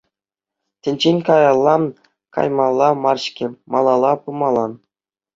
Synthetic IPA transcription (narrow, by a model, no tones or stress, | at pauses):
t̪ʲɘ̆nʲd͡ʑenʲkɑjɑlˠːɑn | kɑ̰jmɑlˠːɑmɑrɕkʲɘ̆mɑlˠɑlˠɑpɯmɑlˠɑn